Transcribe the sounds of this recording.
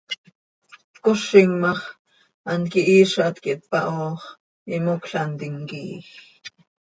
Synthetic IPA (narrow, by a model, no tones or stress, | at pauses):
koʃiŋmɑχ | ɑnkiʔiːʃɑt̪kiʔt̪̚pɑʔoːχ | imokɬɑnt̪iŋkiːx